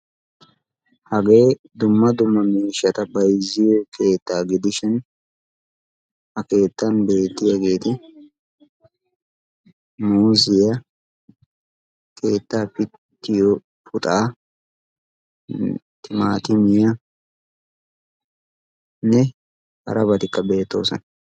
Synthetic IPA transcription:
hɐɡe̞ː | d̪ʊmːɐd̪ʊmːɐmiːʃːɐt̪ɐbɐjzɪjɔkʰe̞ːt̪ːaːɡɪd̪ɪʃɪn | hɐke̞ːt̪ːɐnbe̞ːt̪ːɪjɐɡe̞ːt̪ɪ | muːzɪjɐ | kʰe̞ːt̪ːaːpɪ | t̪ːɪjɔ | pʰʊt̪ʼaː | t̪ɪmaːt̪ɪmɪjɐ | nɛ | hɐ̰ɾɐbɐt̪ɪkːɐbe̞ːt̪ːo̞̰ːsɔn

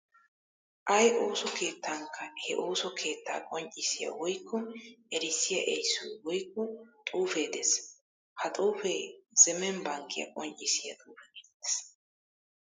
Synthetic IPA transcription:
ʔɐjʔo̞ːsɔke̞ːt̪ːaŋkːɐhɛʔo̞ːsɔkʰe̞ːt̪ːa̰ːkʼɔnt͡ʃʼːɪsɪjɐ̰wɔjkːɔnɛɾɪsɪjɐʔɛjsːʊjwɔjkːɔt̪ʼuːfeːd̪ɛs | hɐt̪ʼuːfeːz̥ɛmɛnbɐŋkʰːɪjɐ̰kʼɔnt͡ʃʼːɪsɪjɐt̪ʼuːfɛkɛt̪ːɛ̥s

